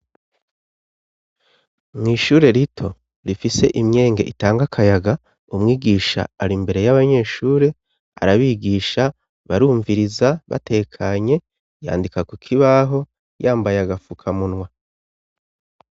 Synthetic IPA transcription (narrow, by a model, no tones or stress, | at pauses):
mŋiːʃuːɾe̞ɾitʰo̞ | ɾifise̞̰ʔimɲe̞ːŋɡe̞̰ʔitaːŋɡakʰajaɡa | umŋiːɡiʃa̰aɾimbe̞ɾe̞jaβaɲe̞ːʃuːɾe̞ | a̰ɾaβiːɡiːʃa | βaɾuːɱviɾizaβa̰te̞kʰaɲe̞ | ja̰ːndikakukʰiβaɦo̞ | jaːmbajaɡafukʰamunwa